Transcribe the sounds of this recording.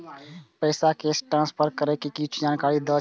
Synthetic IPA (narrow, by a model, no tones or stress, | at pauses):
pəːsakeːsʈɾãːnspʰəɾkəɾekikit͡ʃʰud͡ʒaːnkaːɾid̪ə